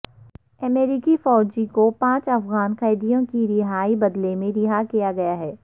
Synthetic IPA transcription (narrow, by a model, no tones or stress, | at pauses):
ɐmeːɾɪkifɔːd͡ʒikopãːt͡ʃɐfɣaːnqɛːd̪ijõkiɾɪɦaːibɐd̪lemẽɾɪɦakijaɡɐjaɦɛː